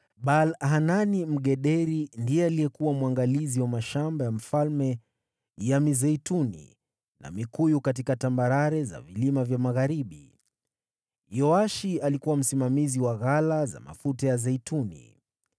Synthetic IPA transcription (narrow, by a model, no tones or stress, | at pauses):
ɓalɦananim̩ɠɛɗɛɾindijɛalijɛkuwamwaŋɡaliziwamaʃambajam̩falmɛ | jamizɛitunḭ | na̰mikujukat̬ikatambaɾaɾɛza̰vilimavjamaɣaɾiɓi | jɔaʃialikuwam̩simamiziwaɣalaza̰ma̰futajazɛitunḭ